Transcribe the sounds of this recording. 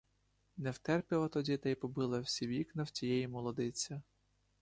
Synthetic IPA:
nɛwt̪ɛrpʲɪlˠɐt̪ɔdʲit̪ɛjpɔbɪlˠɐwsʲiʋʲiknɐwt͡sʲijɛjimɔlˠɔd̪ɪt͡sʲɐ

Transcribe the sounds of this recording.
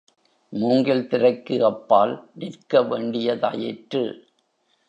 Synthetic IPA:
muːŋɡɪlt̪ɪɾɐɪkːɯɐpːaːlnɪɾkɐʋeːɳɖɪjɐt̪a̰ːjɪʈrɯ̰

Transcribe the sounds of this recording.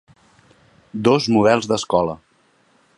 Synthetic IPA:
d̪ozmuðɛlˠzd̪əskɔlə

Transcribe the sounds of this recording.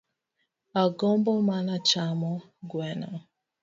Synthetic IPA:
aɡɔmbɔmanat͡ʃamɔ | ɡwɛna̰

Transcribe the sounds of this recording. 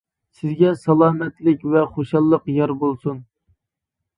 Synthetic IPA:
sɪzɡʲɛsɑlˠɑːmɛt̪lɪkʲvɛχoʃɑlˠːəqjɑɾbolˠsun

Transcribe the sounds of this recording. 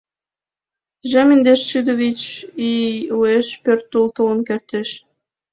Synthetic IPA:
ʒɑmind̪eʃʃyd̪oβit͡ɕiueʃpørt̪ːult̪ələ̆nkert̪eʃ

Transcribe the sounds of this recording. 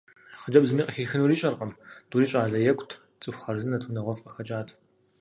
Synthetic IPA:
χəd͡ʒɐbzɨmiːqʼɐxiːxɨnuːɾiːɕʼɐrqɐmd̥uːɾiːɕʼaːɮɐjɛkʷʼtʰ | t͡sʼɨxʷχɐrzɨnɐtʰunɐʁʷɔfʼɐxɐt͡ʃʼaːtʰ

